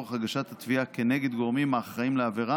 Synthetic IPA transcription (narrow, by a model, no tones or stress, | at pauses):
eχhaɡaʃat̪hat̪viakeneɡe̞d̪ɡo̞ʁmimaːχʁaimleaveʁa